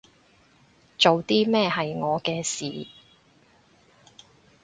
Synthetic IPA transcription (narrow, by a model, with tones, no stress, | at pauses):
t͡so˨wt̪iː˥mɛː˥ɦɐ˨jŋɔː˨˧kɛː˧siː˨˩